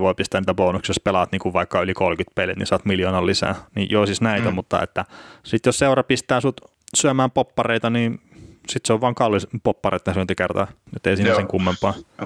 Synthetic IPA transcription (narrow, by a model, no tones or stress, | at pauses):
ʋoipist̪æniːt̪æboːnuksispelɑɑt̪niːŋkuʋʋɑikːɑylikolkyt̪pelit̪nḭsɑt̪miljoːnɑllisæ̰ːnijoisisnæit̪æmut̪ːɑ̰ḛt̪ːæsit̪josseurɑpist̪æːsut̪ | syæmæːmpopːɑreit̪ɑniːnsit̪seoʋʋɑːŋkɑlːispopːɑrḛt̪nesønt̪ikert̪ɑ̰ːet̪ːeisiːnæseŋkumːempːɑː